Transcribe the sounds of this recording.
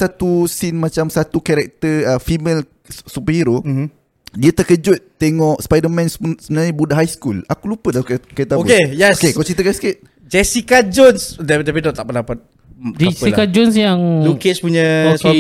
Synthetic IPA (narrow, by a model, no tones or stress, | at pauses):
sat̪usinmat͡ʃamsat̪ukaɾɛk̚t̪əəfimel | supəhiɾo | diət̪əkəd͡ʒʊt̪ːeŋɔʔspajdəmɛ̃nssəmənaɲəbudaʔɦajskulakulupədalakkat̪aokejɛokekalt͡ʃit̪əkasi̥kɪt̪̚ | d͡ʒɛsikad͡ʒɔnsd̪at̪apinɔt̪aʔpənapat̪̚ | d͡ʒsəikad͡ʒons̬jaŋlukespuɲəos